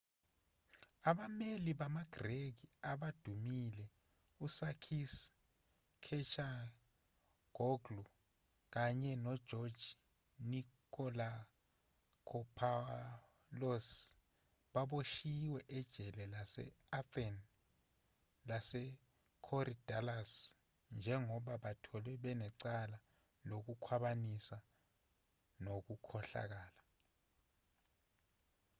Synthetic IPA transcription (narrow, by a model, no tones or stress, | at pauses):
aɓameliɓamaɡ̥ʱrek̬iaɓad̥ʱumilɛ | usakʰis | kʰɛt͡ʃa | ɡ̥ʱɔɡlu | k̬aɲɛnɔd̥ʒ̥ʱɔd̥ʒ̥ʱi | nikʰɔla | kʰɔpʰa | lɔs | ɓaɓoʃiwɛʔɛd̥ʒ̥ʱɛlɛlasɛ̰aθɛn | lasɛ | kʰɔrid̥ʱalas | nd͡ʒʱɛŋɔɓaɓatʰɔlɛɓɛnɛǀala | lok̬ukʰwaɓanisa | nok̬ukʰɔɬa̰k̬aːla